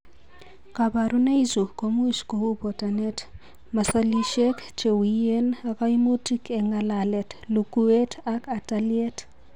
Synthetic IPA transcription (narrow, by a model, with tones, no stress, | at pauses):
kabaɾu˦ne˦izu˨komu˦sko˨u˦pɔ˨tane˦t | ma˨sali˦ʃɛ˦kt͡ʃe˨wije˦nakai˦mo˦ti˦kʰɛ˨ŋa˨lalɛ˨tlu˨ku˦e˦taka˨taljɛ˦t